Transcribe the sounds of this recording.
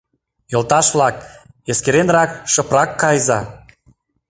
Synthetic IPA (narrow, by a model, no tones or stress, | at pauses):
jolˠt̪ɑʃβlɑk | eskeɾenrɑkʃə̆prɑkːɑjzɑ